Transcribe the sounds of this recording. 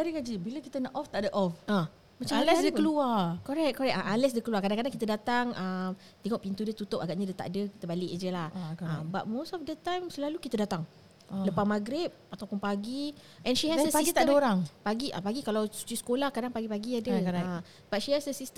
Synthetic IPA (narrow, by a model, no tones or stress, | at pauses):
daɾiɡad͡ʒibiləkit̪ənaʔɔft̪aʔdəʔɔfʔa | mat͡ʃalɛsdəəluakɔɾɛk̚kɔɾɛʔ̚aʔalɛs̬dəkəluakadaŋkadaŋkit̪ədat̪aŋəm | t̪iŋɔʔpint̪udiət̪ut̪ʊp̚aɡaʔɲadət̪a̰ʔdəki̥t̪əbalɪʔd͡ʒəlahaba̰t̪̚mostɔfdət̪ajmslalukit̪ədat̪aŋ | ləpamaɡɾɪp̚at̪awpʊnpaɡi | ʔɛ̃nʃihɛsəsaisɡit̪adəoɾaŋpaɡiʔa̰paɡikalawsu̥t͡ʃisə̥kolahkadaŋpaɡipaɡiadəa | bat̚ʃihɛsdəsist̪ə